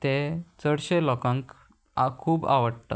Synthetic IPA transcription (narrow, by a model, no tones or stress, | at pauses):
t̪ẽt͡səɽɕelɔkãŋk | akʰuːba̰ʋəɽt̪a̰t̪